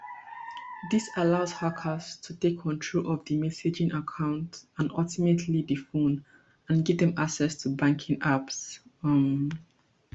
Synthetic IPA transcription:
ðisalaʊzhakʰəstʰutekʰːɔ̃ntʰɹolʔɔvdəmɛsɪd͡ʒĩnakʰãʊ̃ntãnɔltimetʰlidifõn | ãnɡɛvdɛ̃maksɛstʰubãŋkʰĩŋʔapsm

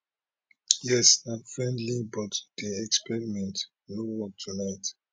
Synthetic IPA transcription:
jɛsãnfɹɛ̃ndlibɔtd̥iɛkspɛɹimɛ̃nt | nowɔk̚tʰunaɪt

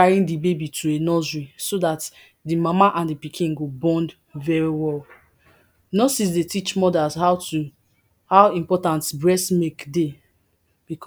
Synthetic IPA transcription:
aɹĩndibebitʰuenɔzɹisodat | dimamaʔãndipikʰĩnɡobɔ̃nd | vɛɹiwɛl | nɔsis̬detit͡ʃmɔdazhaʊu | hawĩmpɔtãntbɹɛsmekde | b̥ikʰ

